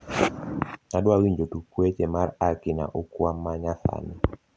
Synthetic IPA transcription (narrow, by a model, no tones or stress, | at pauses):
adwawiɲd͡ʒotukwet͡ʃemaɾakɪna̰ʔokwamːaɲasa̰nɪ